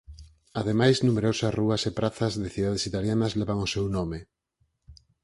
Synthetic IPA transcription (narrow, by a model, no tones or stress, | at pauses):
aðemajznumeɾosɐsruɐsepɾʔaθɐzðɪθiðað̞esit̪aljanɐzleβaŋosewnome